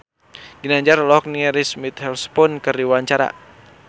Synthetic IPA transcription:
ɡinaɲd͡ʒarlɔk̚niɛɾismit̪hɛlspɔnkɨrdiwaɲt͡ʃaɾa̰

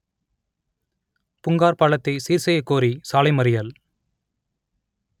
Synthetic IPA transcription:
pʊŋɡaːɾpaːɭɐt̪ːɐɪsiːɾsɐjɐɪkːoːɾisaːlɐɪmɐɾɪjɐl

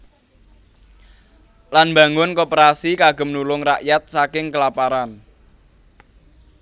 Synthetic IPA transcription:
lanmba̤ŋʊnkopəɾasikaɡ̥ə̤mnulʊŋraʔjat̪̚sakɪŋkəlapaɾan

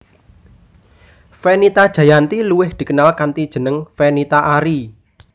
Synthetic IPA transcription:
fɛnit̪ad̥ʒ̥a̤jant̪iluwɪhd̪̥i̤kənalkant̪id̥ʒ̥ə̤nəŋfɛnit̪aʔaɾi

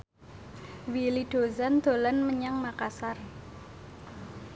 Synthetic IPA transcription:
wiliɖ̥o̤zand̪̥o̤lanməɲaŋmakasar

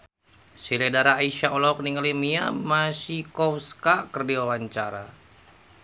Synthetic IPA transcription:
silɛdaɾaːiʃaɔlɔk̚niŋalimiamasikɔfskakərdiwawaɲt͡ʃaɾa̰

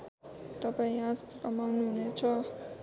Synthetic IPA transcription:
t̪ʌpaĩɦãskʌmawnuɦunet͡sʰʌ

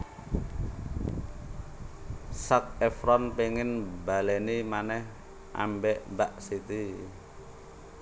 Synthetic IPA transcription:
sak̚ɛfɾɔnpeŋɪnbalɛnimanɛh | ʔa̰mbɛʔmbaʔsit̪i

